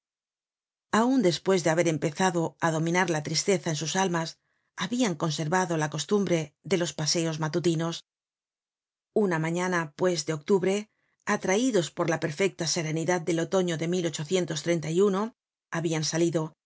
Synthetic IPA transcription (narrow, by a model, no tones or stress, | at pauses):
aund̪e̞spwe̞zðe̞aβe̞ɾe̞mpe̞θaðo̞aðo̞mĩnaɾlat̪ɾist̪e̞θaensusalmas | aβiaŋko̞nse̞ɾβaðo̞lako̞st̪umbɾe̞ðe̞lo̞spase̞o̞zmat̪ut̪ino̞s | unamãɲanapwe̞zðe̞o̞k̚t̪uβɾe̞ | at̪ɾaiðo̞spo̞ɾlape̞ɾfe̞k̚t̪ase̞ɾe̞niðad̪̚d̪e̞lo̞t̪o̞ɲo̞ðe̞milo̞t͡ʃo̞θje̞nt̪o̞st̪ɾe̞nt̪ajuno̞ | aβiansaliðo̞